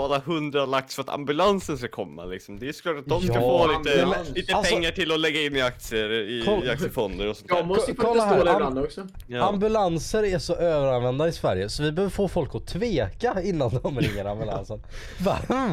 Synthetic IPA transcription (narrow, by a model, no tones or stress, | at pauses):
alaɦɵnd̪ɾalaksfœɾat̪ʰa̰mbɵlansənskakʰɔmːa̰lɪksɔmd̪ɛæsɔ̥kʰlɑːʈat̪̚d̪ɔmsafoːliːt̪əliːt̪əaɛŋːaʈʰɪlɔlɛɡːaɪnːɪak̚t̪sɪəɾɪɔakt̪sɪəfɔnd̪əɾɔsɔnkʰɔlːaɦæːɾnd̪ɔksɔambɵlansəɾæʂɔʔøːvəɾanvɛnd̪aɪsvæɾjəsɔvɪbøːvəɾfoːfɔlkɔt̪ʰveːkaɪnːand̪ɔmɾɪ̰ŋːəɾa̰mbɵla̰nsən | va